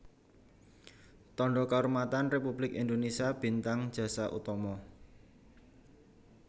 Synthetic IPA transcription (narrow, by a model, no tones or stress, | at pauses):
t̪ɔɳɖɔkaurmat̪anrepub̥lɪkḭnd̪onesiab̥i̤nt̪aŋ̥ʒ̥ä̤saʔṵt̪ɔmɔ